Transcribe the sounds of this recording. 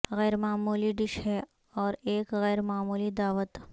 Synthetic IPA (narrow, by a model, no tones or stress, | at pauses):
ɣɛːɾmaːmuːliɖɪʃɦɛ | ɔːɾeːkɣɛːɾmaːmuːlid̪aːʋət̪